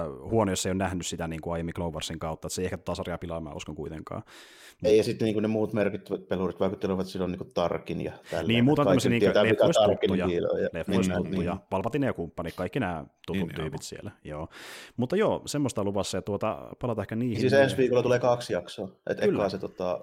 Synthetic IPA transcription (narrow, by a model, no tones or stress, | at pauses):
huonojosːeijonæhnyssit̪æniːŋkuɑijemːiklouʋɑrsiŋkɑut̪ːɑet̪seiehkæt̪o̥t̪ɑsɑrjɑpilɑmæ̰ːṵskɑŋkuit̪eŋkɑ̰ː | meˑijɑsit̪ːniːŋkunemuːt̪merkit̪ːʋæt̪pelurit̪ʋɑˑikut̪ːeleʋɑt̪silːoniːkutt̪ɑrkinjɑ̰t̪æ̰lːniːmmuːt̪nɑːøsiniːŋeæet̪æːlefoisutːiːujɑil̰jɑlefːoistut̪ːujɑpɑlpɑt̪ːinekumpːɑnikkɑikːinæːt̪ut̪unt̪yːpit̪siḛlæjoːmut̪ːɑjoːsemːost̪ɑluʋɑsːɑjɑt̪t̪uot̪ɑ̰pɑlɑt̪ɑehkːæniːhsiːsensʋiːkolːɑt̪uleːkɑksjɑksoːʔḛt̪eylːɑːset̪ot̪ɑ